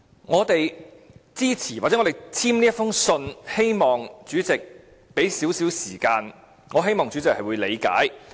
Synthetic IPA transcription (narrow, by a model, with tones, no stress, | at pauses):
ŋɔː˨˧t̪e˨jt͡siː˥t͡sʰiː˨˩waː˨˩t͡sɛ˨˥ŋːɔ˨˧t̪t͡sʰiː˥mniː˥tfʊ˥ŋsɵ˧nhe˥jmɔː˨ŋt͡ʃyː˨˥t͡sɪ˨k̚ | pe˨˥jsiː˨˥wsiː˨˥wsiː˨˩kaː˧n | ŋɔː˨˧ɦe˥jmɔː˨˩ŋt͡syː˨˥t͡sɪ˨k̚hɐ˨jwuː˨˧jle˨˧jka̰ː˨˥j